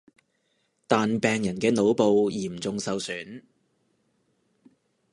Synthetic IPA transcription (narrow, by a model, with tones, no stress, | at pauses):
t̪aː˨npɛː˨ŋjɐ˨˩nkɛː˧no˨˧wpo˨wjiː˨˩m̩˨˩t͡sʊ˨ŋsɐ˨˧wsyː˨˥n